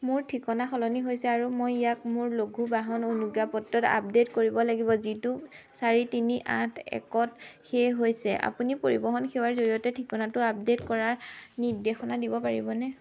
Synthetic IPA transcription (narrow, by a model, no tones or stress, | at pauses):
mʊɹtʰikɔnaxɔlɔniɦojsɛaɹumojijakmʊɹloɡʱubaɦɔnonuɡapɔtːɔta̰p̚detkoɹibɔlaɡibɔzitu | saɹitiniʔã̰tʰɛ̰kɔtxejɦojsɛʔa̰punipoɹibɔɦɔnxewaɹzoɹijɔtɛtʰikɔnatʊap̚detkɔɹaɹniɹdexɔnadibɔpaɹibɔnɛ